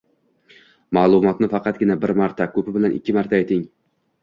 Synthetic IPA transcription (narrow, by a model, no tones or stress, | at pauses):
maːlˠʊmɒt̪nɪfɑqɑt̪̚ɡʲɪnabɪɾmaɾt̪ʰakʰɵpɪbɪlanʔɪ̰kʲːɪmaɾt̪ʰaajt̪ʰɪŋ